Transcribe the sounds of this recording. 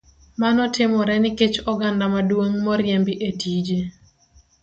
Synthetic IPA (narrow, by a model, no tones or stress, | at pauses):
manɔtɪmɔɾɛnɪket͡ʃɔɡandamadwoŋmɔɾjembiʔetid͡ʒe